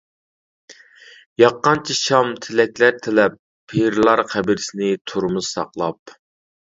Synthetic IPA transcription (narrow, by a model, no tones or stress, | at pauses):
jɑqːɑnt͡ʃʰiʃɑmt̪ʰɪlɛkʲlæɾt̪ʰɪlɛpʰː | eɾlˠɑɾqɛbɪɾɪsɪnɪt̪ʰoɾmuz̥sɑ̰qlˠɑp̚